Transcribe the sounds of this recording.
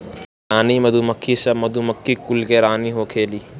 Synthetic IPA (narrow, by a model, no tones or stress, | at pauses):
aːniːmɐd̪umɐkʰːisɐbmɐd̪umɐkʰːikʊlkeɾaːniːɦoːkʰeːliː